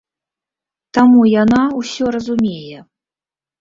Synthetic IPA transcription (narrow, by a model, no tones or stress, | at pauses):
t̪amujanawsʲɔrɐzumʲejɛ